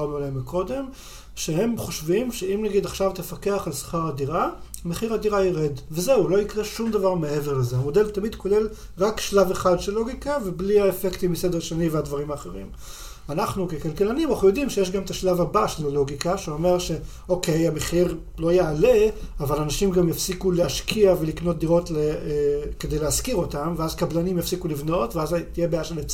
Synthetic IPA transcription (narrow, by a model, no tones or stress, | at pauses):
balemiko̞d̪e̞m | ʃe̞he̞mχoʃvimʃe̞imnaɡid̪aχʃavt̪efake̞aχalsḁχaʁad̪iʁa | meχiʁadiʁaiʁed̪vezeulo̞ikʁe̞ʃumd̪avaʁmeeveʁlezeamo̞d̪e̞lt̪amid̪ko̞le̞l | ʁakʃlaveχad̪ʃelːo̞ɡikavebliaefekt̪imised̪eʁʃanivead̪vaʁimaːχeʁḭm | anaχnukekalkelanimanaχujo̞dimʃejeʃ̬ɡametaʃlavabaʃelalo̞ɡikaʃeo̞me̞ʁʃe̞ | o̞kejameχiʁ | lo̞ajaːleavalanaʃimɡamjafsikuleaʃkiavelikno̞t̚d̪iʁo̞tleke̞d̪e̞jleaskiʁo̞tamveazkablanimjafsikulivno̞tveazat̪ijebejaʃelet͡s